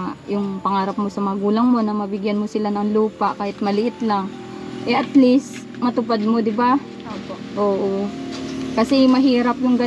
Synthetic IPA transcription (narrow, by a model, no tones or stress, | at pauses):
jʊŋpɐŋaːɾɐp̚mo̞sɐmɐŋɐɡuːlɐŋmo̞nɐmɐbɪɡjanmo̞sɪlanɐŋluːpaʔkaːhɪt̪̚mɐlɪʔɪt̪laŋ | ʔɛʔɐt̪lɪst̪ | mɐt̪ʊpad̪̚mo̞d̪ɪba | ʔoːpoʔʔoːʔo | kɐsɛmɐɦiːɾɐpjʊŋɡɐ